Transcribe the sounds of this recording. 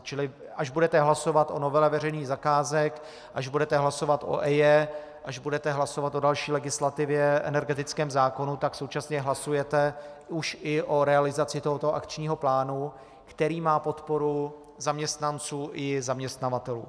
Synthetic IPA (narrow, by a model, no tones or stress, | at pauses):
t͡ʃɪlɪ | ʔaʒbudɛt̪ɛɦlaso̞vat̪ʔo̞no̞vɛlɛvɛr̝ɛjniːɣzakaːzɛk | ʔaʒbudɛt̪ɛɦlaso̞vat̪ʔo̞̰ʔɛjɛ | ʔaʒbudɛt̪ɛɦlaso̞vat̪ʔodalʃiːlɛɡɪslat̪ɪvjɛʔɛ̰nɛɾɡɛt̪ɪt͡skɛːmzaːko̞nut̪akso̞wt͡ʃasɲɛɦlasujɛt̪ɛuʃɪʔo̞ɾɛalɪzat͡sɪt̪o̞ɦot̪oʔa̰kt͡ʃɲiːɦo̞plaːnu | kt̪ɛɾiːmaːpo̞t̪po̞ɾu | zamɲɛst̪nant͡suːʔɪzamɲɛst̪navat̪ɛlṵː